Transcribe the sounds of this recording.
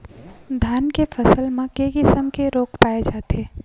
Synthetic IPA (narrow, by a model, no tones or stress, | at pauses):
d̪ʱaːnkefʰəsəlmẽkeːkɪsəmkeɾoːkʰpaːed͡ʒaːt̪eː